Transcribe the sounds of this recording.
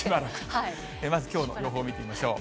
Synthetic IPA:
ibaɾaka | eːmazɨkʲo̞ːno̰jo̞ːɦo̞ːmʲit̪e̞imaɕo̞ː

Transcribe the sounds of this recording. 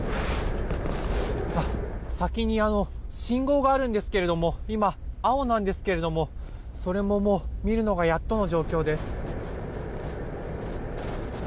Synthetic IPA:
asakʲiɲ̟iano̞ɕĩŋɡo̞ːɡaːɾɯ̟̃nd̪e̞sɨ̥ke̞ɾe̞d̪o̞mo̞imaːo̞nãnd̪e̞sɨ̥ke̞ɾe̞d̪o̞mo̞ | so̞ɾe̞mo̞mo̞ːmʲiɾɯ̟no̞ɡajat̪ːo̞no̞ʑo̞ːkʲo̞ːd̪e̞sɨ̥

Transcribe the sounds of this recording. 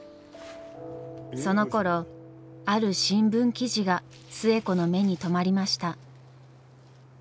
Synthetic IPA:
so̞no̞ko̞ɾo̞ | aɾɯ̟ɕĩmbɯ̟̃ŋkʲiʑiɡa | sɨe̞ko̞no̞me̞ɲ̟it̪o̞maɾʲimaɕi̥t̪a

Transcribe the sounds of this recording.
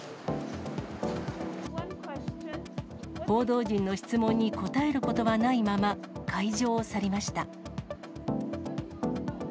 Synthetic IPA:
ho̞ːd̪o̞ːd͡ʑĩnːo̞çi̥t͡sɨmõ̞ɲ̟ːiko̞t̪ae̞ɾɯ̟ko̞t̪o̞βanaimama | kʰaiʑo̞ːsaɾʲemaɕi̥t̪a

